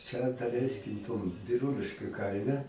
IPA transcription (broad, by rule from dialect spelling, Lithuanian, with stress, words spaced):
ˈt͡ʃʲɛ dɐˈlʲɛɪsʲkʲɪm toːm bʲɪˈruːlʲɪʃʲkʲʊ ˈkɐɪmʲɛ